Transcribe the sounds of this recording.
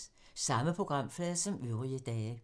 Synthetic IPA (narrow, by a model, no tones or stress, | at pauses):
sɑ̈məpʰʁo̝ɡ̥ʁɑ̈m̰flɛðˠsɒ̽møðʁiəd̥ɛː